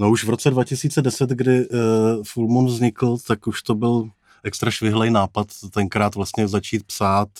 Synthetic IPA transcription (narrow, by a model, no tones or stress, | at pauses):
nouʃvɾo̞t͡sɛdvacɪsiːt͡sɛdɛsɛt̪ɡdɪfulmonvzɲɪkl̩t̪akuʃt̪o̞bɪl | ʔɛkst̪ɾaʃvɪɦlɛjnaːpat̪ːɛŋkɾaːt̪vlast̪ɲɛzat͡ʃiːt̪̚psaːt̪